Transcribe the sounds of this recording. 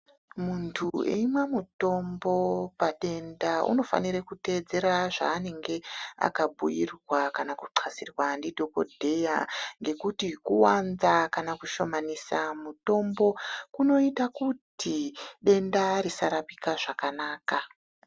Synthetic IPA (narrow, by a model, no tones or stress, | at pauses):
muntʰuḛimamuto̞mbo̞paɗe̞ndaʔṵno̞fa̰niɾekute̞d͡ze̞ɾaʐa̰ːne̞ŋɡe̞a̰kabʱujirwakanakuǀʰasirwandidʱo̞ko̞̰dʱe̞jaŋɡe̞kutikuwanzakanakuʃo̞manisamuto̞mbo̞kuno̞itakutiɗe̞ndaɾisaɾapikaʐakanaːka